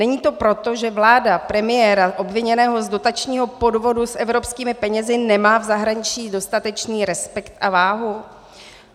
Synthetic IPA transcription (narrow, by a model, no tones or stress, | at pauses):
nɛɲiːt̪o̞pɾo̞t̪o̞ʒɛvlaːdapɾɛmɪjɛːɾaʔo̞bvɪɲɛnɛːɦo̞zdo̞t̪at͡ʃɲiːɦo̞po̞dvo̞dusʔɛvɾo̞pskiːmɪpɛɲɛzɪnɛmaːvzaɦɾaɲɪt͡ʃiːdo̞st̪at̪ɛt͡ʃniːɾɛspɛkt̪ʔavaːɦu